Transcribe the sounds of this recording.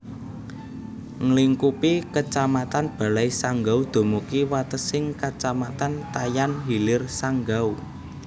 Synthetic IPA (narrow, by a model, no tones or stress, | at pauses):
ŋliŋkupikət͡ʃamat̪anb̥a̤lajsaŋɡaud̪̥o̤mukiwat̪əsɪŋkat͡ʃamat̪ant̪ajanɦilɪrsaŋɡau